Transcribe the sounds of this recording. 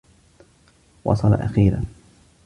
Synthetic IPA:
wʔɑ̰sˤɑla̰ʔaxiːɾa̰n

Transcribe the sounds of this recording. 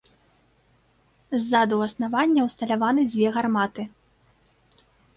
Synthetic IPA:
zːad̪uwɐsnavanʲːɐwst̪ɐlʲavanɨd͡zʲvʲɛɣarmat̪ɨ

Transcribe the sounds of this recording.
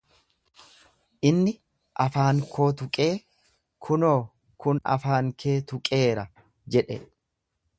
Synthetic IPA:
ʔɪnːɪ | ʔɐfaːŋkʰo̞ːt̪ʊkʼe̞ː | kʰʊno̞ː | kʊnɐ̰faːŋkʰe̞ːt̪ʊkʼe̞ːɾɐ | d͡ʒɛᶑɛ̰

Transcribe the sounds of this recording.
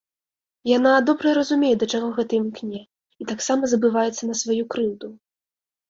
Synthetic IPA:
janad̪ɔbɾɐɾɐzumʲɛjɛd̪ɐt͡ʂaɣɔɣɛt̪ɨmʲknʲɛ | it̪aksamɐzɐbɨvajɛt̪sːɐnɐsvajukɾɨwd̪u

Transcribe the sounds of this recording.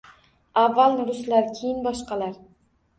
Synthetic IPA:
avːalnɾʊslaɾkʲʰejɪnbɒʃqɑlaɾ

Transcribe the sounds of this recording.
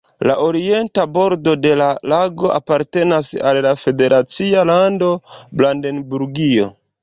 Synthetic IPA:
laʔoɾie̞ntabo̞ɾdo̞de̞lalaɡo̞ʔa̰paɾte̞nasa̰lːafe̞de̞ɾʔat͡sialando̞blandenbuɾɡio̞̰

